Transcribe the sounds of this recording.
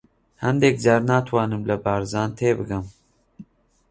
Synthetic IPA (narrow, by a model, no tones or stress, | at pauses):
hɛnd̪ɛk̚d͡ʒaɾnaːt̪ʰwɑːnɨmlɐbɑːɾzɑːnt̪ʰeːbɨɡɨm